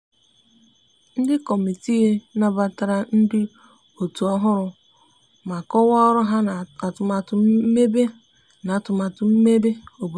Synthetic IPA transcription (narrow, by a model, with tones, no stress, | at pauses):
n̩˦dɪ˦kɔ˨mi˨ti˦ɣe˦na˦ba˨ta˨ɾa˨n̩˦dɪ˦ | o˨tu˨ɔ˦ɦʊ˦ɾʊ˨ | ma˨kɔ˦wɔ˦ɔ˦ɾʊ˦ɦa˦˨a˨tʊ˨ma˨tʊ˨m̩˦me˦be˦ | na˨tʊ˨ma˨tʊ˨m̩˦me˦be˦o˨b